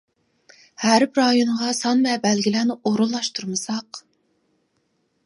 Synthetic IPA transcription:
hæɾpɾɑjoɴʁɑsɑnvɛbælɡʲilæːnɪoɾulˠːɑʃt̪ʰuɾmɨsɑq

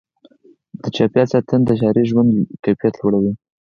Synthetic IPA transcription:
d̪̥ət͡ʃɑpjɑt̪sɑt̪ənd̪əʃɑɾeʒwand̪kajfijat̪loɽawi

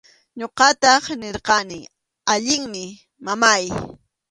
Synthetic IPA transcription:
ɲoqɑt̪ɑχnɪɾqɑnɪ | aʎɪŋmɪ | mamaj

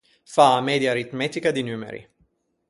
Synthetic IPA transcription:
famed̪jaɾit̪met̪ikɐd̪injumḛɾḭ

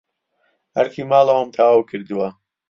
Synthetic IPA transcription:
hɐɾkʰiːmaːlɐwɐmt̪ʰaːwɐwkʰɨɾd̪ɨwɐ

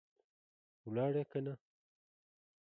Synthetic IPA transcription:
wlɑːɽekana

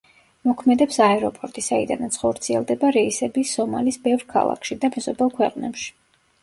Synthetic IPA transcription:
mɔkʰmɛd̪ɛpsaɛɾɔpʼɔɾt̪ʼisaḭd̪a̰nat̪sʰχɔɾt̪sʰiɛlˠd̪ɛbaɾɛisɛbisɔma̰lisbɛvɾkʰa̰lˠa̰kʰʃid̪amɛzɔbɛlˠkʰwɛqʼnɛpʃi̥

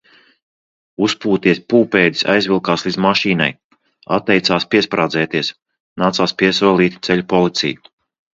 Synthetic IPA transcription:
uspuːt̪iɛspuːpɛːd̪i̥sa̰jzvʲilˠkaːslˠid̪zmaʃiːna̰j | a̰t̪ːɛjt̪saːspiɛspɾaːd̪zɛːt̪iɛs | naːt̪saːspiɛsuɔlˠiːt̪ʲi̥t̪sɛʎʲupɔlˠit̪sḭju

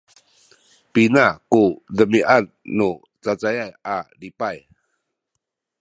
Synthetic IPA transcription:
pinakudəmiʔanːu | t͡sat͡sajajʔalipaj

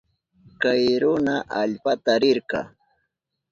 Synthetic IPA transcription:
kajɾʊnaʔaʎpat̪aɾɪɾqɑ̰ː

